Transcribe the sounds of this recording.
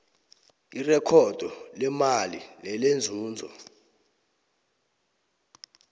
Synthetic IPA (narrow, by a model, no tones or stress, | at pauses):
irɛkʰɔd̥ʱɔlɛmalilɛlend͡zʱuːnd͡zʱɔ̰